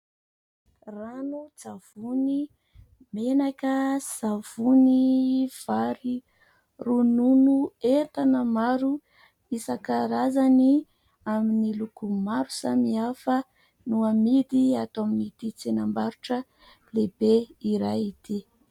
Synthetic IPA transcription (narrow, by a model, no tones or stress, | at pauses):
ranut͡sav̥uni | menakəsav̥univ̥aɾi | rununuet̪anəmaɾu | isakaɾazani | aminilukumaɾusamiafə | nuamid̪iat̪aminit̪it͡senambaɾuʈ͡ʂə | lebeiɾajit̪ʰi